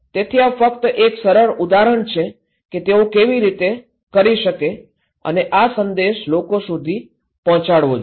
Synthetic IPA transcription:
t̪et̪ʰiafəkt̪əʔeksəɾəɾud̪aɾəɳt͡ʃʰe | ket̪eokeʋiɾit̪e | kəɾiʃəke | ə̰neʔasənd̪eʃlokosud̪ʱi | pɔɦɔ̃t͡ʃaɽʋod͡ʒ

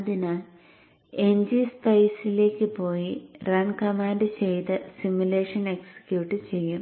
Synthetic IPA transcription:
ɐðinaːl | e̞ɲd͡ʑispɐjsile̞ːkʲːɨpo̞ːjirɐnkɐmaːndɨt͡ɕe̞jt̪ɨsimule̞ːʂɐne̞ksɐ̥kʲjuːʈːɨt͡ɕe̞jːum

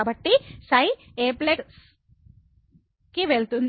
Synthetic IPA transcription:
bɐʈːisɐjeːpleks | kiʋeɭut̪und̪

